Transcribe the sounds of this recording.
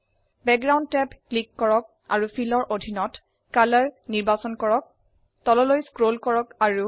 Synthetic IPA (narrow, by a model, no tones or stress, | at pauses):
bɛk̚ɡɹawndtɛpklikːɔɹɔk̚ | a̰ɹupʰilɔɹʔodʱinɔt | kalaɹniɹbasɔnkɔɹɔk̚ | tɔlɔlojskɹolkɔɹɔkaɹu